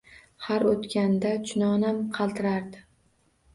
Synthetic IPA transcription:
haɾot̪kʲand̪at͡ʃʰʊnɒnamqʰɑlˠt̪ʰɪɾaɾd̪ɪ

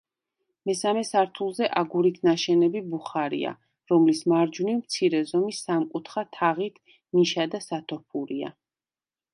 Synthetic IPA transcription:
mɛsamɛsaɾt̪ʰulˠzɛʔaɡuɾit̪ʰnaʃɛnɛbibuχaɾḭa̰ | ɾɔmlismaɾd͡ʒunimt̪sʰiɾɛzɔmisamkʼut̪ʰχat̪ʰaʁit̪ʰ | niʃad̪asat̪ʰɔɾpʰuɾia̰

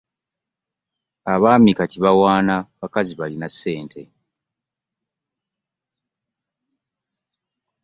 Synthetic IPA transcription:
aβaːmikaciβawaːnaβakaziβalinasːe̞ːntʰe̞

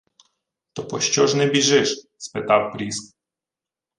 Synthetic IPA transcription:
t̪ɔpɔɕt͡ɕɔʐnɛbʲiʐɪʂ | spɪt̪awpɾʲisk̚

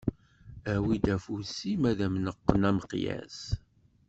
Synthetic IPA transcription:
æwid̪æfusimæðæmnəqːənæməqjæ̰s

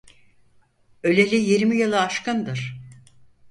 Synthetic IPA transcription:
ø̞lʲelʲijiɾmijɯlˠɯaʃkɯnd̪ɯɾ̥

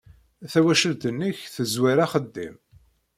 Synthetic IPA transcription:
θæwæʃəlt̪ənːəçθəzwaɾaχəd̪ːḭm

